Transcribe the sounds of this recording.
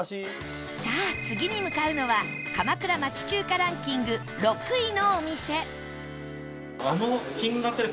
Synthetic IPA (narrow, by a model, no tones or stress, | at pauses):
saːt͡sɨɡʲiɲ̟imɯ̟kaɯ̟no̞βakamakɯ̟ɾamat͡ɕi̥t͡ɕɨːkaɾãŋkʲĩŋɡɯ̟ | ɾo̞kɯ̟ino̞ːmʲise̞ | anokʲĩŋɡɯɡat̪ːeɾɯ